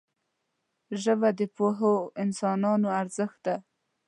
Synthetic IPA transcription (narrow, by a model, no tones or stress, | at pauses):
ʒəvad̪əpoɦoɪnsɑnɑnoaɾzəxt̪̚d̪a